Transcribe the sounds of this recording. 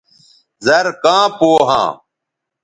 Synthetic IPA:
zɐɾkãːpoːɦã̰ː

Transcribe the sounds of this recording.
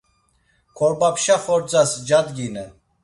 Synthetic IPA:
kʰɔɾbapʃaχɔɾt͡sʼasd͡ʒad̪ɡinɛ

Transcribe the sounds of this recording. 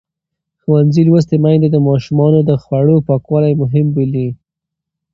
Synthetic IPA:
xwanzilwəs̬t̪emajnd̪ad̪əmɑʃumɑnod̪əxwaɽopɑkwɑlajmʊɦɪmbəli

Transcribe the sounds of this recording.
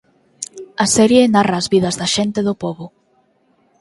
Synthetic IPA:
ɐsɛɾjenarɐːzβið̞ɐzðɐʃent̪eðʊpoβʊ

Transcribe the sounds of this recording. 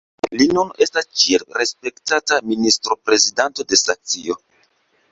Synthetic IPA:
linune̞stast͡ʃielɾe̞spe̞ktataministɾo̞pɾe̞zidanto̞de̞saŋk̚t͡sio̞

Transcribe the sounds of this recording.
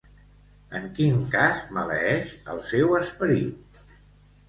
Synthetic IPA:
əŋkiŋkazmələ̰ɛʃə̰lˠsɛwəspəɾḭt̪̚

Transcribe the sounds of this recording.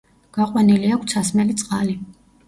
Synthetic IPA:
ɡ̥aqʼwaniliakʰt̪sʰasmɛlit̪sʼqʼali

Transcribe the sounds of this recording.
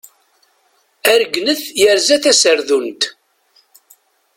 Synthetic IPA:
æɾəɡnəθjəɾzæθæsəɾðunt̪

